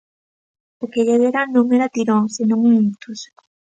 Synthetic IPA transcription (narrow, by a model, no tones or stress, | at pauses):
okeʎeβeɾanõŋeɾat̪iɾoŋsenõŋuint̪us